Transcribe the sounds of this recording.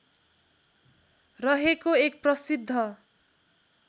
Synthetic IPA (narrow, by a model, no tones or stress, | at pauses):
rʌɦekoek̚prʌsid̪ʱːʌ